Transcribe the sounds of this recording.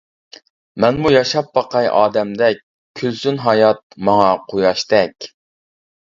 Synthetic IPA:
mɛnmujɑʃɑpːɑqɑjʔɑ̰ːd̪ɛmd̪ɛk̚ʲ | kʲʰøzsynɦɑjɑt̪̚mɑŋɑqʰojɑʃt̪ɛkʲ

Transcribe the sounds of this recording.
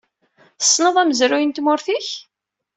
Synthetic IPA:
θə̥sˤːnəðˤæməzɾʊjənt̪mʊɾθiç

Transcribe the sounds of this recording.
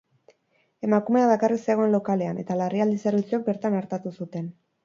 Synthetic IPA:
e̞makume̞aβakariseɣ̞o̞e̞nlo̞kale̞ane̞̰t̪alariald̪isaɾut͡sok̚be̞ɾt̪anaɾt̪at̪usut̪e̞n

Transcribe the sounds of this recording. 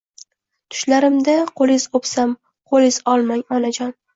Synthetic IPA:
t̪ʰʊ̥ʃlaɾɪmd̪aqʰolˠɪz̥opsam | qʰolɪz̥ɒlˠmaŋɒnad͡ʒɒn

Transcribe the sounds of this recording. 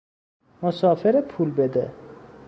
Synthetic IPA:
mosɒːfeɾepʰuːlbed̪e

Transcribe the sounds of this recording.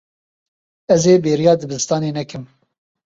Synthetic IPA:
ɛzeːbeːɾijɑːd̪ɨbɨzɨst̪ɑːneːnɛkɨm

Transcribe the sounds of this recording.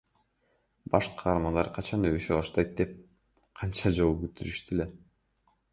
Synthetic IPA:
b̥ɑʃqʰɑːɾmɑnd̪ɑɾqʰɑt͡ʃɑnøβyʃybɑʃt̪ɑjt̪̚d̪e̞p̚ | qʰɑnt͡ʃɑd͡ʒo̞lˠuɡyt̪ʰyɾyʃt̪ile

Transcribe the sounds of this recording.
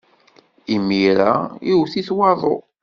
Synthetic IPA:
imiɾaiwθiθwɑðˤo̰

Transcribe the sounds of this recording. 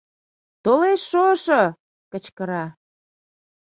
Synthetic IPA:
t̪oleʃːoʃo | kət͡ɕkəɾɑ

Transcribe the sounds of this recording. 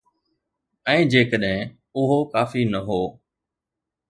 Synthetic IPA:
ɛ̃ːd͡ʑeːkəɗɦɪ̃ | ʊɦokaːfinɐɦoː

